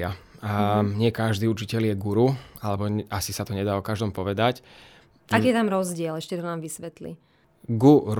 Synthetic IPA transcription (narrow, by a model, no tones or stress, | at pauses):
a | ɲɪɛkaʒd̪iːuɾt͡ʃicɛljɛɡuɾualɛbɔasisat̪ɔɲɛd̪aːɔkaʒd̪ɔmpɔʋɛd̪ac | akiːjɛt̪amɾɔzɟɪɛlɛʃcɛt̪ɔnaːmʋisʋɛt̪lḭ | ɡuɾ